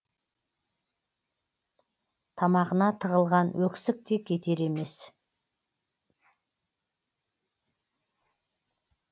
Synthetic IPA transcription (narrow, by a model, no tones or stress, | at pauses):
t̪ʰɑmɑʁənɑt̪ʰəʁəlˠʁɑnwʔɵksɪk̚t̪e̞kʲʰe̞t̪e̞ɾe̞me̞s